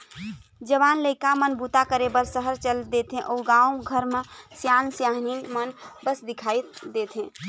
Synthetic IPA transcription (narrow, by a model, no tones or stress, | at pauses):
d͡ʒəβanləɪkamənbut̪akəɾebəɾsəɦəɾt͡ʃəld̪et̪ɦẽʔouɡaumɡʱəɾmesjansjaɦninmənbəsd̪ikʰajt̪d̪et̪ʰɦẽ